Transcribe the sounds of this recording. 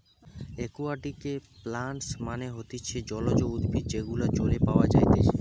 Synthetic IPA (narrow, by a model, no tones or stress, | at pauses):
ekuaʈikeplaɳʈsmaneɦot̪it͡ɕʰed͡ʑɔlod͡ʑoud̪bʱid͡ʑeɡulat͡ɕoɾepaoad͡ʑajt̪e